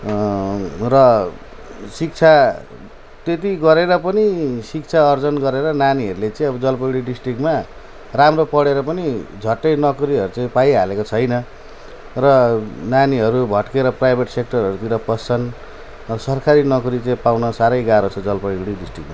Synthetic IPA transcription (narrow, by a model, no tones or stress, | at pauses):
rʌ | sik̚t͡sʰa | t̪et̪̬iɡʌɾeɾʌpʌnisik̚t͡sʰaʌrd͡zʌnɡʌɾeɾʌnaniɦʌɾulet͡sãĩʌbʌd͡zʌlpʌɽiɖisʈrikma | ramropʌɽeɾʌpʌnid͡zʱʌʈːʌjnʌkuɾiɦʌɾut͡saĩpajɦalekot͡sʰʌjnʌ | rʌnaniɦʌɾubʱʌʈkeɾʌprajbʱeʈsek̚ʈʌrɦʌɾut̪iɾʌpʌst͡sʰʌn | sʌrkʰaɾinʌkuɾit͡saĩpawnʌsaɾʌjɡaɾot͡sʰʌd͡zʌlpʌɽiɖisʈrikma